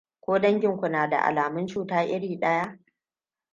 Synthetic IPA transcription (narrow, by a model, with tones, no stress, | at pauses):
kʷoː˦dɐ˦ŋɡʲɪ˨ŋkʷʊ˨naː˨da̰˨ʔa̰˨laː˨mɪ˦nt͡ʃuː˦taː˦ʔɪ˦ɽiː˨ɗɐ˦jaː˦